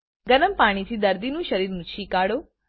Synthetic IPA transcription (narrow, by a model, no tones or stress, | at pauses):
ɡənəmpaːɽ̃it̪ʰid̪əɾd̪inũʃəɾiːɾnũt͡ʃʰikaɽo